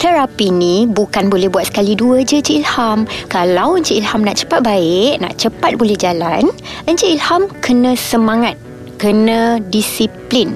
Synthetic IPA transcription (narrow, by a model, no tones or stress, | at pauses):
t̪əɾapinĩbukanbolɛhbuat̪̚sə̥kaliduəd͡ʒəd͡ʒəilhamkalawəɲt͡ʃəʔilhamnaʔt͡ʃə̥pat̪̚baɪʔna̰ʔt͡ʃəpat̪̚bolɛhd͡ʒalan | əɲd͡ʒəilhamkənə̃səmãŋat̪̚ | kənãdisiplin